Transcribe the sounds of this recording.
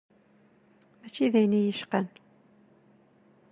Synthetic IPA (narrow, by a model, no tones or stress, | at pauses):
mæt͡ʃːiðæjnijəʃqən